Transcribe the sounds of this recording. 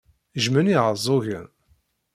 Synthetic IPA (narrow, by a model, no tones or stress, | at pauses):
ʒməniʕəzˤoʝən